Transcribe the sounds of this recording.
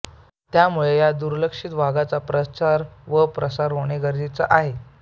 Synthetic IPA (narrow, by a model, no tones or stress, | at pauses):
t̪jamuɭejad̪uɾləkʂit̪ʋaɡat͡sapɾət͡ɕaɾʋəpɾəsaɾɦoɳ̃eɡəɾd̪it͡səʔaɦe